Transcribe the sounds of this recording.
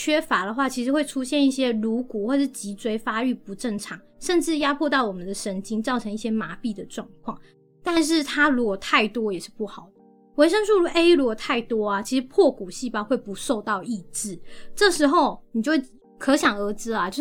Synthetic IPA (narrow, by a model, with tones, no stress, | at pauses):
t͡ɕʰɥɛ˥fa˧˥d̪ə˨xwa˥˩t͡ɕʰi˧˥ʂɻ̩˧˥xwe˥˩ɪʈ͡ʂʰu˥ɕjɛ˥˧ni˥˩ɕjɛ˦˥ɻu˧˥ku˨˩xwɔ˥˧əʂɻ̩˥˩t͡ɕi˧˥t͡swe˥ɪfa˥y˥˩pu˧˥ʈ͡ʂə˥˩ŋʈ͡ʂʰɑ˨˩˦ŋʂə˥˧nʈ͡ʂɻ̩˥˩ja˥pʰwɔ˥˧t̪ɑ˥˩ʊwɔ˨˩mə˨˦nd̪ə˨ʂə˧˥nt͡ɕi˥ŋt͡sɑ˥˩ʊʈ͡ʂʰə˧˥ŋi˥˩ɕjɛ˥ma˧˥pi˥˩d̪ə˩ʈ͡ʂwɑ˥˧ŋkʰwɑ˥˩ŋ | t̪a˥˧nʂ̬ɻ̩˥˩t̪ʰa˥ɻu˧˥kwɔ˨˩t̪ʰa˥˩ɪt̪wɔ˥jɛ˨˩ʂɻ̩˥˧pu˥˩xɑ˨˩ʊd̪ə˩ | we˧˥ɪʂə˥ŋʂu˥˧lu˧˥ʔe˥ɪɻu˧˥kwɔ˨˩t̪ʰa˥˩ɪt̪wɔ˥a˨t͡ɕʰi˧˥ʂ̩˧˥pʰwɔ˥˩ku˨˩ɕi˥˩pa˥xwe˥˩ɪpu˧˥ʂo˥˧ʊt̪ɑ˥˧ʊʔi˥˧ʈ͡ʂɻ̩˥˩ʈ͡ʂɤ˥˩ʂɻ̩˧˥xo˥˩ʊni˨t͡ɕo˥˧we˥˩ | kʰɤ˧˥ɕjɑ˨˩ŋə˧˥t͡sɹ̩˥a˨˩t͡ɕjo˥˧˥